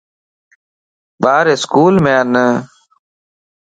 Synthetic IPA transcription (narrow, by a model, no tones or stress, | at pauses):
ɓaːɾɪskuːlmẽːənə